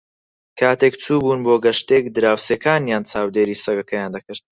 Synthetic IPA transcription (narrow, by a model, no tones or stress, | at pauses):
kʰaːt̪ekt͡suːbuːnboːɡɐʃt̪ek̚d̪ɨɾaːwseːkaːnjaːnt͡saːwd̪eːɾiːsɐɡɐkʰɐjaːnd̪ɐkɨɾt̪̚